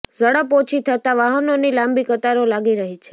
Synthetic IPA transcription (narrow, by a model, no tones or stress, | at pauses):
zəɽəpot͡ʃʰit̪ʰət̪aʋaɦənonilãmbikət̪aɾolaɡiɾəɦit͡ʃʰe̥